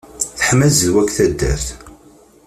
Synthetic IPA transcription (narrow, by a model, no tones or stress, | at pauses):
θəħmæzðwækθæd̪ːæ̰θθ